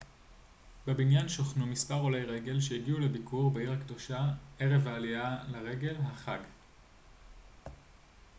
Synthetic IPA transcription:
bebinjanʃoχnumispaʁolejʁe̞ɡe̞lʃejeɡiulebikʰuʁbeiʁakdoʃae̞ʁe̞vhaːlialaʁe̞ɡe̞lhaχaɡ

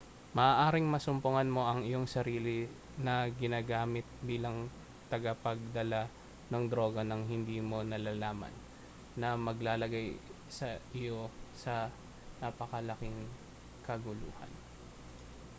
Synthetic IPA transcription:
mɐʔaːʔaːɾɪŋmɐsʊmpʊŋɐnmo̞ʔɐŋɪjo̞ŋsɐɾiːlɪ | nɐɡɪnaːɡaːmɪt̪̚biːlɐŋ | t̪ɐɡɐpɐɡ̚d̪ɐla | nɐŋd̪ɾo̞ːɡɐnɐŋɦɪnd̪iːmo̞nɐlaːlaːmɐ̰nː | ɐmɐɡlaːlɐɡaj | sɐʔɪjo̞sɐ | napɐkɐlɐkɪŋ | kɐɡʊlṵːhɐ̰n

